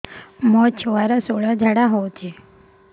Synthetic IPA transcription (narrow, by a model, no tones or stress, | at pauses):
mɔt͡ʃʰʋaɾasoɭad͡ʒʱaɽaɦɔt͡ʃʰe